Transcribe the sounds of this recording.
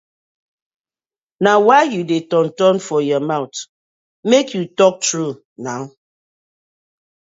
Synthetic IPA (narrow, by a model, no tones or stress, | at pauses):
nawaɪjudetɔ̃ntɔnfɔjɔmaʊt | mekjutɔk̚tɹu | naʊ